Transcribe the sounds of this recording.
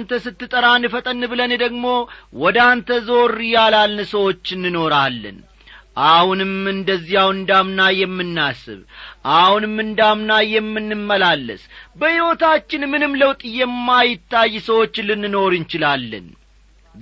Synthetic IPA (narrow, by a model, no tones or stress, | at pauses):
nt̪əsɨt̪ːɨt̪ʼəɾanːɨfət̪ʼənːbɨlənd̪əɡmo̞wɔd̪ant̪ʰəzo̞ɾrjalalnɨsəwo̞t͡ʃːɨnːɨno̞ɾalːə̰n | ʔahunɨmɨnd̪əzːijawɨnd̪amnajɛmːɨnːasɨ̰βʔahunɨmːɨnd̪amnajɛmːɨnːɨmːəlalːə̰sbəhiwo̞t̪ʰat͡ʃːɪnmɨnɨmləwt̪ʼjɛmːajɪt̪ːajːsəwo̞t͡ʃːɨlɨnːɨno̞ɾɨnt͡ʃɪlalːə̰n